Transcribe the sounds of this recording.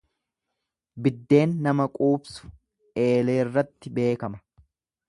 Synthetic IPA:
bɪd̪ːe̞ːnːɐmɐkʼuːbsʊ̥ | e̞ːle̞ːɪrːɐt̪ːɪbe̞ːkɐmɐ̥

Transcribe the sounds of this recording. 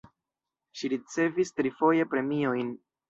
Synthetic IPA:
ʃiɾit͡se̞vistɾifo̞je̞pɾe̞mio̞jn

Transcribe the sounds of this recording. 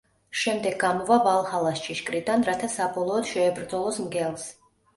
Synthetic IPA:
ʃɛmd̪ɛɡ̚ːamɔvavalˠhalˠast͡ʃʰiʃkʼɾid̪anɾat̪ʰasabɔlˠɔːd̪̥ʃɛːbɾd̪zɔlˠɔsmɡɛlˠs

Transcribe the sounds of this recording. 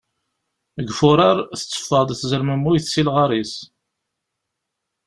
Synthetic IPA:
əɡfʊɾˤɑɾˤθə̥t͡sːə̥fːəd̪ˤθzəɾməmːujθsilʁɑɾˤis

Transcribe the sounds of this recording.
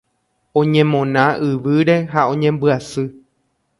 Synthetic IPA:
õ̞ɲẽmõ̞nãʔɨʋɨɾe̞ɦaõ̞ɲẽmbɨasɨ

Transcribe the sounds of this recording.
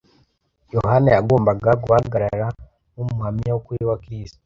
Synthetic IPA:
jo̞hanajaɡo̞ːmbaɡaɡuhaɡaɾaɾa | umuhamijawukuɾiwakɾisto̥

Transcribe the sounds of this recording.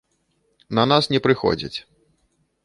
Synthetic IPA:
nɐnasnʲɛpɾɨxɔ̰d͡zʲɐ̰t͡sʲ

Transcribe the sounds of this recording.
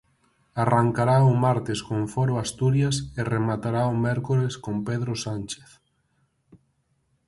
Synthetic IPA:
araŋkaɾaʊmaɾt̪eskõɱfɔɾoast̪uɾjaseremat̪aɾaomɛɾkoɾeskompeðɾosant͡ʃeθ

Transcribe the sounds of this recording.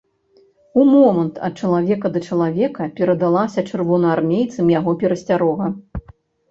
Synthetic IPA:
umɔmɐnt̪ɐ̰t̪̚t͡ʂɐlˠavʲɛkɐd̪ɐt͡ʂɐlˠavʲɛkɐpʲɛɾɐd̪alˠasʲɐt͡ʂɨrvɔnɐarmʲejt̪sɨmjaɣɔpʲɛɾɐsʲt͡sʲaɾɔɣɐ

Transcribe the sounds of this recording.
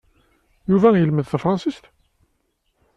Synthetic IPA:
juvæjəlməðθæfɾˤɑnsist̪

